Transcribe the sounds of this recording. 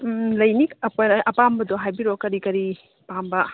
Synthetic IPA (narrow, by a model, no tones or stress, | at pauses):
lɐjniɐpojnɐʔɐpambɐdoɦajbiɾokɐɾikɐɾi | pambɐ